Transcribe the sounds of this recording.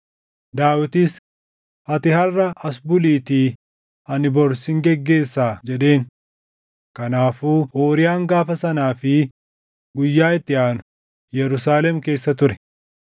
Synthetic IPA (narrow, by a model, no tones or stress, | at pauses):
d̪aːwɪt̪ɪs | hɐt̪ɪhɐrːɐʔɐsbʊliːt̪iː | ɐnɪbɔɾsɪŋɡɛɡːe̞ːsːaːd͡ʒɛᶑe̞ːn | kɐnaːfuːʔoːɾɪjaːŋɡaːfɐsɐnaːfɪ | ɡʊjːaːɪt̪ːɪaːnʊ̥ | jɛɾʊsaːlɛmke̞ːsːɐt̪ʊɾɛ